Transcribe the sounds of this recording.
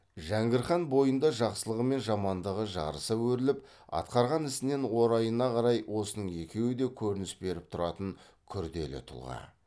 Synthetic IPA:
ʒæŋɡʲɪɾχɑnbo̞jənd̪ɑʒɑqsəlˠəʁəme̞nʒɑmɑnd̪əʁəʒɑ̰ɾəsəwɵɾɪlɪp̚ | ɑ̰t̪qɑɾʁɑnɪsɪne̞nwo̞ɾɑjənɑqʰɑɾɑjwʔo̞sənəɴe̞kʲe̞wɪd̪e̞kʲʰɵɾɪnɪsbe̞ɾɪp̚t̪ʰʊɾɑt̪əɴ | kʲʰʏɾd̪e̞̰lɪ̰t̪ʰʊ̰lˠʁɑ̰

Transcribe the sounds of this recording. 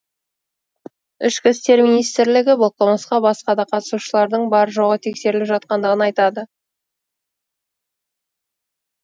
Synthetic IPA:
ʏʃkʲɪst̪e̞ɾminijst̪ɾlɪɡʲɪbolˠqɑməsqɑbɑsqɑd̪ɑqʰɑt̪ə̥suʃəlˠɑɾd̪əɴbɑɾəʒoʁət̪ʰe̞kse̞ɾɪlɪpʒɑt̪̚qɑnd̪əʁənɑjt̪ɑd̪ə

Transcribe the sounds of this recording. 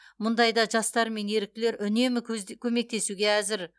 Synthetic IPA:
mʊnd̪ɑjd̪ɑʒɑst̪ɑɾme̞ne̞ɾɪk̚t̪ɪle̞ɾʔʏne̞mɪkkʲʰɵme̞k̚t̪e̞suɡʲe̞æzɪɾ

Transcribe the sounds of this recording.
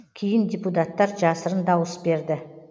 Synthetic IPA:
kʲʰejɪnd̪ʲeput̪at̪ːɑɾʒɑsəɾənd̪ɑwəsbe̞ɾd̪ɪ

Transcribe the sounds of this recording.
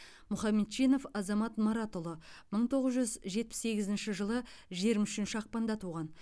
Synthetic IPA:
mʊχɑmːet̪ʃijno̞fɑzɑmɑt̪mɑɾɑt̪olˠəməɴt̪ʰo̞ʁəzʒʏzʒe̞t̪̚pɪ̥sːe̞ɡʲɪzɪnʃɪʒəlˠəʒeɾɪmʏʃɪnʃɪɑq̚pɑnd̪ɑt̪ʰuʁɑn

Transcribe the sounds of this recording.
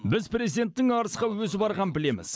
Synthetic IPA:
bɪzpre̞zid̪e̞nt̪ːɪŋɑɾəsqɑwɵz̬ɪbɑɾʁɑmpɪle̞mɪ̰z̥

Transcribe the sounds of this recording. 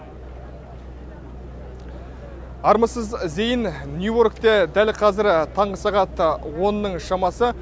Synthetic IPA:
ɑɾməsəzze̞jɪnnjuo̞ɾkt̪ed̪ælqʰɑzɪɾt̪ʰɑɴʁəsɑʁɑt̪wo̞nːəɴʃɑmɑsə

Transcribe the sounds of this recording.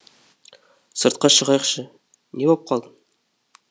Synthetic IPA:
sɤ̆ɾt̪̚qɑʃə̆ʁɑjɤqʃə | nebɒp̚qʰɑlˠd̪ən

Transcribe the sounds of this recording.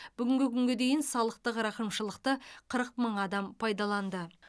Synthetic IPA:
b̥ʏɡʲɪŋɡʲɪkʲʰʏŋɡʲed̪e̞jɪnsɑlˠəq̚t̪əqɾɑqəmʃəlˠəqt̪əqʰəɾəq̚məɴɑd̪ɑmpʰɑjd̪ɑlˠɑnd̪ə

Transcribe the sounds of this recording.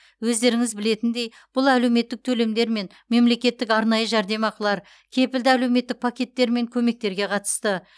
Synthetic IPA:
wɵzd̪e̞ɾɪŋɪzbɪle̞t̪ɪnd̪e̞j | b̥ʊlˠæle̞wme̞t̪ːɪk̚t̪ʰɵle̞md̪e̞ɾme̞n | me̞mle̞kʲe̞t̪ːɪkɑɾnɑjəʒæɾd̪e̞mɑqəlˠɑɾ | kʲʰe̞pɪld̪ɪæle̞wme̞t̪ːɪk̚pʰakʲe̞t̪ːe̞ɾme̞ŋkʲʰɵme̞k̚t̪e̞ɾɡʲe̞qʰɑt̪ə̥st̪ə

